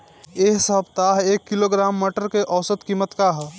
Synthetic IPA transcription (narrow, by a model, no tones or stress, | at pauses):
eɦsəɦbt̪aɦekːiloɡɾamːəʈəɾkeʔəʊsət̪kimət̪kaɦɛ